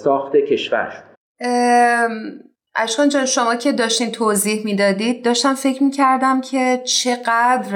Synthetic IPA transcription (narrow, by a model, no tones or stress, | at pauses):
sɒːxt̪ecʰeʃvæ̰ɾ | ʔæʃkɒnd͡ʒɒːnʃo̞mɒːcʰe̞d̪ɒːʃt̪iːnt̪ʰoːziːhmiːd̪ɒːd̪iːd̪̚ːɒːʃt̪æmfecʰɾmiːcʰæɾd̪æmcʰe̞t͡ʃʰe̞ɢæd̪ɾ